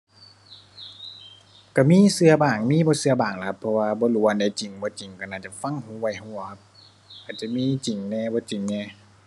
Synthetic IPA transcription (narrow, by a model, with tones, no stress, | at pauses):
ka˧˩miː˧˥˨sɯ˧ɐbaː˨˩ŋmiː˧˥˨bɔː˧˦sɯ˧ɐbaː˨˩ŋla˨ka˦˧pʰːɔ˧waː˧bɔː˧˦lu˧˨˦a˨˧nda˧˦jt͡ɕi˨˩˦ŋbɔː˧˦t͡ɕi˨˩˦ŋka˧˩naː˧˩t͡ɕa˧˩fa˧˥˨ŋhuː˧˦wa˧˩jhuː˧˩˨kʰa˧p̚ | a˨˩t̚t͡ɕa˧˨miː˧˥˨t͡ɕi˨˩ŋnɛː˧bɔː˧˦t͡ɕi˨˩˦ŋnɛː˧˩